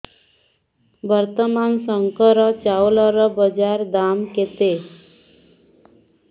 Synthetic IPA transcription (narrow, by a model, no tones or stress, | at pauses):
bəɾt̪əmansəŋkəɾət͡ʃawləɾəbəd͡ʒaɾd̪amket̪e